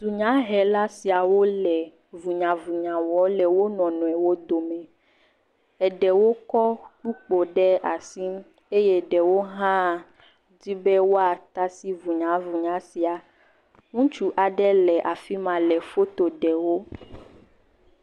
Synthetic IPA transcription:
du˨ɲã˨˦ɦɛ˨la˦si˨a˨wo˦lɛ˨ | vu˨ɲã˨vu˨ɲã˨wɔ˨˦lɛ˨wo˦nɔ̃˨nɔ̃˨ɛ˨wo˦d̪o˨mɛ̃˨ | ɛ˨ɖɛ˨wo˦kɔ˦k͡pu˦k͡po˨ɖɛ˦a˨si˦m˦ | e˦je˦ɖɛ˨wo˦ɦã˦˨ | di˦bɛ˦wo˦a˨t̪a˦si˦vu˨ɲã˨˦vu˨ɲã˨˦si˨a˨ | ŋũ˦t͡ʃu˦ʔa˨ɖɛ˦lɛ˨ʔa˨fi˦mã˨lɛ˨fo˦t̪o˨ɖɛ˨wo˦

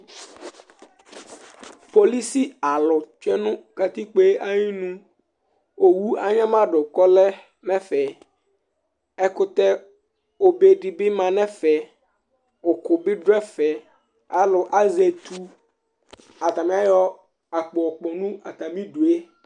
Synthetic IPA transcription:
po˨li˦si˦a˨lʊ˨t͡ʃɛ˦nʊ̃˦ka˨t̪i˦k͡pe˦ʔa˦ɲĩ˦nũ˦ | o˨wu˦a˨ɲã˦mã˦ɖʊ˨kɔ˦lɛ˦ | mɛ˦fɛ˨ | ɛ˦kʊ˦t̪ɛ˦ | o˨be˨ɖi˨bɪ˦mã˨nɛ̃˦fɛ˨ | ʊ˨kʊ˨bɪ˦ɖɛ˦fɛ˨ | a˦lʊ˨ʔa˦zɛ˨t̪ʰu˦ | a˨t̪a˨mɪ̃˦a˦jɔ˦ | a˨k͡pɔ˨ɔ˨k͡pɔ˨nũ˦a˨t̪a˨mĩ˦ɖu˨e˦

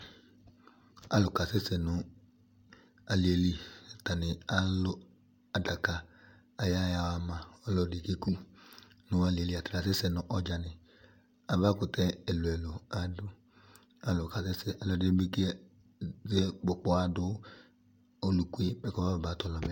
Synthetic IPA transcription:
a̰˦lʊ˨ka˨se˦sɛ˨nʊ˨ | a˨li˨e˨li˦˨ta˨nɪ˨a˦lʊ˦ | a˨da˨ka˨ | a˨ja˦ja˨wa˨mã˨ɔ˦lɔ˨dɪ˨ke˦ku˦ | nʊ˨a˨˦li˨e˨li˦a˨tɾa˨se˦sɛ˨nʊ˨ʔɔ˦d͡ʒa˨nɪ˨ | a˨va˦kʊ˨tɛ˦ɛ˨lʊ˨ɛ˨lʊ˨a˨dʊ˦ | a˨lʊ˨ka˨se˦sɛ˨ʔa˨lɔ˨˦de˦bi˦ke˦ | ze˦k͡pʊ˨k͡pɔ˦a˨dʊ˦ | o˦lu˨kʷu˦e˦bɛ˦kɔ˦va˦˨baː˨˦tɔ˨lɔ˨mɛ˨˦

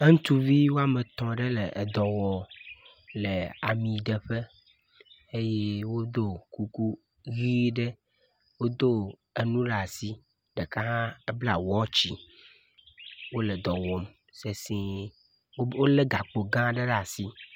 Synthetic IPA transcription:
e˦ŋ̩̃˦t̪u˦vi˦wo˦a˦me˨t̪ɔ̃˨ɖe˦le˨ʔd̪ɔ˨wɔ˨ | le˨a̰˨mĩ˨ɖe˨ɸe˦ | e˦je˦wo˦d̪o˦ku˦ku˦ | ɣi˦ɖe˦ | wo˦d̪o˦ | e˨nũ˦ɖa˨si˦ | ɖɛ˨ka˦ɦã˦e˦bla˨wɔ˦t͡ɕi˨ | wo˦lɛ˨d̪ɔ˨wɔ˨m | se˨sĩ˦ | o˦wo˦le˦ɡa˨k͡po˨ɡã˦ɖe˦ɖa˨si˦

